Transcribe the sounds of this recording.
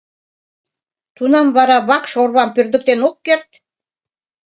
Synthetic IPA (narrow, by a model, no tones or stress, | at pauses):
t̪unɑmβɑɾɑβɑkʃorβɑmpyrd̪ə̆k̚t̪enokːert̪